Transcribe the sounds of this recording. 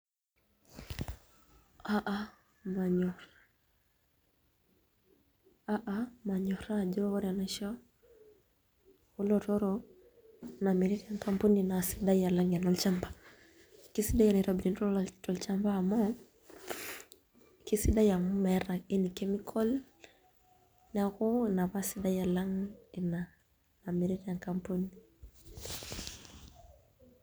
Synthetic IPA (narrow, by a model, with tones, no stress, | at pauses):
aʔa | ma˨ɲɔɾ | aʔama˨ɲɔɾad͡ʒɔɔɾanaʃɔ | ɔ˦lɔtɔɾɔ | namiɾi˦ɾi˦aŋkampuninasiɗajalaŋɡa˨nɔlt͡ʃamba | ki˦si˦da˦ja˨ni˨ɾa˨bi˨ni˨ntɔ˦ltɔ˨lt͡ʃa˦mbaː˦˨mɔ˦ | ki˦si˦da˦ja˨mu˦mɛ˨ɾa˨i˦ni˨kɛ˦mi˦kʰɔ˦l | na˨ɣɔ˦na˨βa˦si˦da˦ja˨la˦ŋi˨na˨ | na˨mi˨ɾi˦ɾa˨ŋka˦mpu˦ni